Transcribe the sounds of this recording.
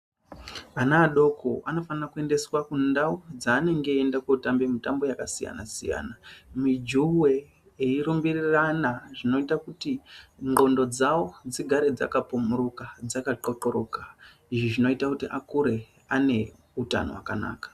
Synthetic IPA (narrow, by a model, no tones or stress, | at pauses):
anaːɗo̞kʰoʔano̞fanirakue̞nde̞swakundawud͡zaːne̞ŋɡe̞ːndakwoutambemitambo̞jakasija̰na̰sḭja̰ːnamid͡ʒuwe | eiɾumbiriranaʐino̞itakutiŋɡo̞ndo̞d͡zawo̞d͡ziɡʱaɾe̞d͡za̰kapumurukad͡zakaǃo̞ǃoɾo̞ka | iʐiʐino̞itakutiʔakuɾe̞ | ane̞ | uta̰no̰wa̰kana̰ːkḁ